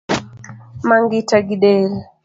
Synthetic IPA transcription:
maŋɡitaɡiɗɛl

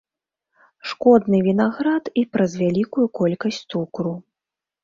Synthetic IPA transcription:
ʂkɔd̪nɨvʲinaɣɾat̪ipɾɐzvʲalʲikujukɔlʲkɐsʲt̪ukɾu

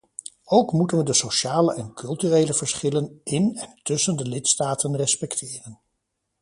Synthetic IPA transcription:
owkmutənʋədəsoʃaːləʔɛnkʰɵlˠtyrejləvəɹsχɪlənɪnɛntʏsəndəlɪtstaːtənrɛspɛktʰɪːrən

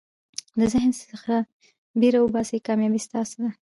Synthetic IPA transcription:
d̪əzɪhnsəxɾa | beɾawəbɑsekɑmjɑbist̪ɑsd̪a

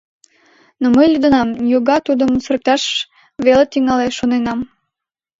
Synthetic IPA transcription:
noməjlʲyd̪ə̆nɑmjoɣɑt̪ud̪əmsərk̚t̪ɑʃ | βelet̪yŋɑleʃonenɑm

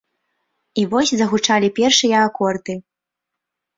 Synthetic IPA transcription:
ivɔsʲzɐɣut͡ʂalʲipʲɛrʂɨjɐːkɔrd̪ɨ

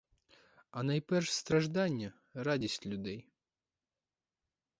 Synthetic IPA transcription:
ɐnɐjpɛrʂst̪ɾɐʒd̪anʲːɐ | radʲisʲtʲlʲʊd̪ɛj

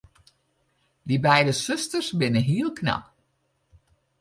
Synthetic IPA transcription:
dibɛjdəsøstərsbɪnəɦiəlˠkʰnɑ̰k

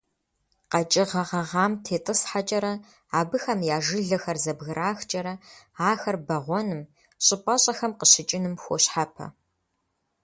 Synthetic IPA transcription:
qɐt͡ʃʼɪʁɐʁɐʁɑːmtʰeːtʼɨsħat͡ʃʼɐɾɐ | aːbɨxɐmjaːʒɨɮɐxɐrzɐbɣɨɾʔaːxt͡ʃʼɐɾɐaːxɐrbɐʁʷɔnɨm | ɕʼɪpʼɐɕʼɐxɐmqəɕɪt͡ʃʼɪnɨmxʷoɕħapʰɐ̰

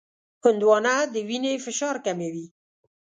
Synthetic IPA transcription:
hʊnd̪wɑnad̪əwinefɪʃɑɾkamewi

